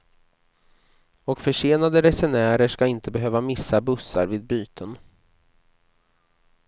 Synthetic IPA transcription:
ɔkfœʂeːnad̪əɾɛsɛnæːɾəʂkaɪnt̪əbɛɦøːvamɪsːabɵsːa̰ɾvɪːd̪̚byːt̪ʰən

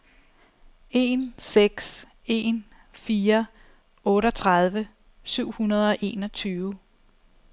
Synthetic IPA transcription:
e̝ːnseɡ̥s | e̝̰ːn | fiːɐ | ɔ̽ːɾəɒt͡sʰʁað̞ˠʋə | syʊ̰hunɐð̞ˠɒ̽ʔe̝ːnɒ̽t͡sʰyːʊ

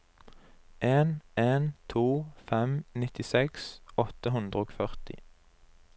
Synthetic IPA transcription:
ʔeːneːnt̪ʰuːfɛmnɪt̪ɪsɛksɔt̪əɦʉnd̪ʁəoːɡfœʁt̪ɪ̰

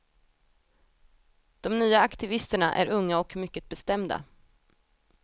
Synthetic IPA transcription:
d̪̥ɔmnyːaakt̪ɪvɪst̪əɳaʔæ̰ɾɵŋːaɔkmʏkːət̪̚bɛst̪ɛmd̪a̰

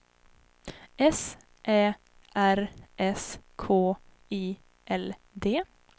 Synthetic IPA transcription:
ɛs | ʔeː | ʔæɾʔɛskʰoː | iː | ʔɛl | d̪eː

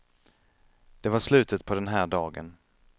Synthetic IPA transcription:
d̪̥ɛvaʂlʉ̟ːt̪ət̪pʰɔd̪ɛnɦæːɖɑːɡə̰n

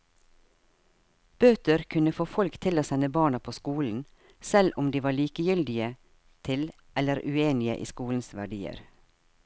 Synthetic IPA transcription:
b̥øːt̪əɾkʰʉnəfoːfɔlkt̪ʰɪloːsɛnəbɑːɳɑpʰoːskuːln̩ | sɛlʊmd̪iːʋɑːɭiːkəjʏld̪ɪə | t̪ʰɪl | ʔɛləɾʉ̰eːnɪə̰ʔḭːskuːln̩sʋæɖiːə̰ɾ

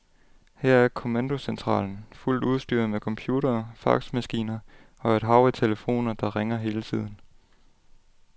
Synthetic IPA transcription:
hæɐ̰æɐkʰo̝mænd̥o̝sent͡sʰʁɑ̰̈ːln̩ful̰d̥uð̞ˠsd̥y̰ːɐ̰mekʰɒ̽mpʰjuːɾɐːfɑ̰̈ɡ̥smæsɡ̥ḭːnɐ | ɒ̽ɐed̥ɦɑ̈ʊit͡sʰe̝ləfo̝̰ːnɐd̥ɑ̈ʁeŋɐɦe̝ːlət͡sʰið̞̰ˠn̩

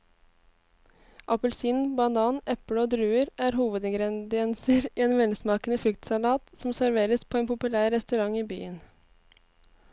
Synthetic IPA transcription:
ʔɑpəlsiːnbɑnɑːnɛpɽəoːd̪ɾʉːəɾʔæːɾhuːʋəd̪ɛŋɡɾɛnd̪ɪɛnsəɾiːeːnʋɛnsmɑːkənəfɾʏkt̪sɑlɑːt̪sɔm̩sæɾʋeːɾəspʰoːeːnpʊpʉlæːɾːɛst̪ʉɾɑŋiːby̰ːən

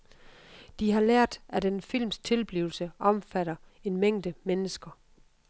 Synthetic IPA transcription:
d̥iɦɑ̈læɐ̰d̥æd̥enfil̰mst͡sʰe̝lb̥liːʊl̩səʔɒ̽mfæɾ̥ɐ | e̝nmeŋ̰d̥əmenəsɡ̥ɐ

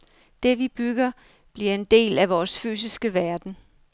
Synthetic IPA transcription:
d̥e̝ʋib̥yɡ̥ɐ | b̥liɐe̝nd̥e̝̰ːlæʋɒːsfy̰ːs̬isɡ̥əʋæɐd̥n̩

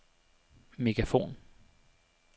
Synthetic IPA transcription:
mɪɡɾafṵːn

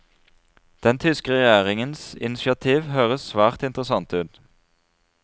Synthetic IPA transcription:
d̪̥ɛnt̪ʰʏskəʁɛjæːʁɪŋənsɪ̰nɪʃɪɑt̪ʰiːʋhøːʁəsʋæːʁt̪ɪnt̪əʁəsɑnt̪ʉːd̪

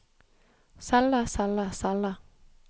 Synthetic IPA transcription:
salːasalːasalːa

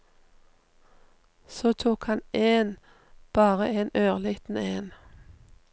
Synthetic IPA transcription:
soːt̪ʰuːkhɑneːn | b̥ɑːʁəeːnøːʁliːt̪n̩eːn

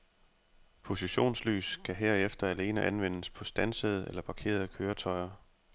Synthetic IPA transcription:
pʰo̝siɕo̝̰ːnsly̰ːskʰæɦeɐefd̥ɐæle̝ːnəʔænʋen̰əspʰɒ̽sd̥ænsəð̞̩ˠelɐpʰɑ̈kʰe̝̰ːɐð̞ˠkʰøːɐt͡sʰɒ̽ɪɐ

